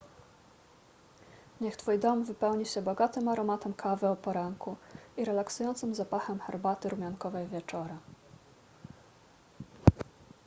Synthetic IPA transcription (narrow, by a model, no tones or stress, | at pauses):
ɲɛxt̪fujd̪ɔmvɘpɛwɲiɕɛbɔɡat̪ɘmaɾɔmat̪ɛmkʰavɘɔpɔɾaŋkuiɾɛlaksujɔnt̪sɘmzapaxɛmxɛɾbat̪ɘɾumʲjaŋkɔvɛjvʲjɛt͡ʂɔɾa